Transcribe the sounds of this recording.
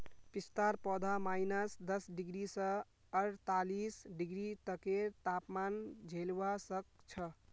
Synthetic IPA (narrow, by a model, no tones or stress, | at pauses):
pist̪aɾpɔd̪ʱamajnəsd̪əsɖiɡɾisə̃ | əɾt̪alisɖiɡɾit̪əket̪apmand͡ʒʱelʋasək̚t͡ʃʰə